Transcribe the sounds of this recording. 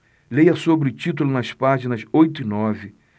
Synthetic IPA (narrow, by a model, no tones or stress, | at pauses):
lejɐsobɾɪʊt͡ʃit̪ulʊnɐspaʒinɐsojt̪ʊinɔvɪ